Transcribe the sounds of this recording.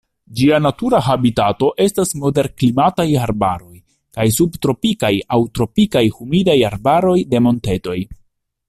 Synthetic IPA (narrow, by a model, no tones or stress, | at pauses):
d͡ʒianatuɾaɦabitato̞ʔe̞stasmo̞de̞ɾklimatajaɾbaɾo̞j | kajsubtɾo̞pikajawtɾo̞pikajhumidajaɾbaɾo̞jde̞mo̞nte̞to̞j